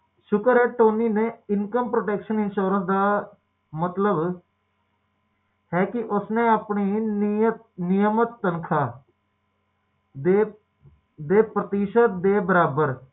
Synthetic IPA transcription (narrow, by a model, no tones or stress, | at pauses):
ʃʊkəɾɛːʈoːniːnẽːɪnkəmpɾoːʈɛːkʃənɪnʃoːɾə̃nsd̪aː | mət̪ləb | hɛːkɪʔʊsnẽːaːpɳiːnt | nɪjəmət̪ːənkʰaː | d̪eː | d̪eːpɾət̪iːʃət̪̚d̪eːbəɾaːbəɾ